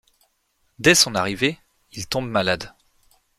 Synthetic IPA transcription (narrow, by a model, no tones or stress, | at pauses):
d̪ɛsɔ̃naʁive | ilt̪ɔ̃bmalad̪